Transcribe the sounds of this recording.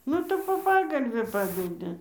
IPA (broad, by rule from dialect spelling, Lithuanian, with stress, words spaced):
ˈnʊ tɐɪ poː ˈpɑːɡɐlʲʋʲɪ ˈpɑːdʲɛdʲɪ